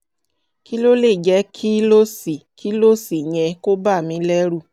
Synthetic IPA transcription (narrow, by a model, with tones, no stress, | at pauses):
ki˦lo˦le˦˨d͡ʒɛ˨˧˦kʰi˦lo˦si˨kʰi˦lo˦si˨ɲ̃ɛ̃˧ko˦ba˦˨mĩ˨˦lɛ˦ɾu˦˨